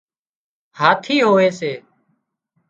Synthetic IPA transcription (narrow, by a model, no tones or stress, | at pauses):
haːt̪ʰiːɦoːʋeːseː